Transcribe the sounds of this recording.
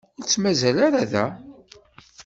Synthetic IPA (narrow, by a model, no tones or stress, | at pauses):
t͡sːmæzælaɾaðæ